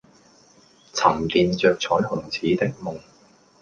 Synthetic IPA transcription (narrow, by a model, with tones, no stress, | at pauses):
t͡sʰɐ˨˩mt̪iː˨nt͡ʃœː˨k̚t͡sʰɔː˨˥jɦʊ˨˩ŋt͡sʰiː˨˥t̪ɪ˥k̚mʊ˨˩ŋ